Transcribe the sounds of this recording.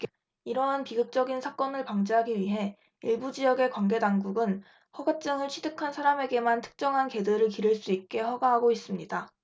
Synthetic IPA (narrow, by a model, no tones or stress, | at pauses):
iɾʌɦanpiɡɯk̚t͡ɕ͈ʌɡinsʰak͈ʌnɯɭpaŋd͡ʑeɦaɡiɥiɦe̞ | iɭbud͡ʑijʌɡe̞kwanɡe̞daŋɡuɡɯn | ɸʌɡat͡ɕ͈ɯŋɯɭt͡ɕʰidɯkʰansʰaɾame̞ɡe̞mantʰɯ̥k̚t͡ɕ͈ʌŋɦanke̞dɯɾɯɭkiɾɯɭs͈uit̚k͈e̞ɸʌɡaɦaɡois͈ɯmɲida